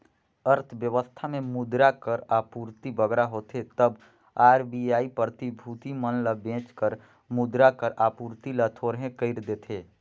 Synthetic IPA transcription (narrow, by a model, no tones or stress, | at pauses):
əɾt̪ʰʋjəʋəst̪ʰamẽmʊd̪ɾakəɾaːpuːɾt̪ibəɡɾaɦoːt̪ʰet̪əb | aːɾbiaːipət̪ibʱuːt̪imənləbẽːt͡ʃkəɾ | mʊd̪ɾakəɾʔaːpuːɾt̪ilət̪ʰoːɾɦẽkəɪɾd̪eːt̪ʰeː